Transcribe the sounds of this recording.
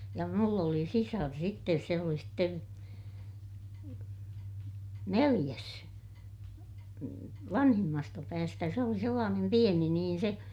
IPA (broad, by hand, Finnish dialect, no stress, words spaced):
jɑ mulː oli sisɑr sitːes se oli sten nelij̆æs ʋɑnhimːɑstɑ pæːstæ se oli selːɑːnem pieni niːn se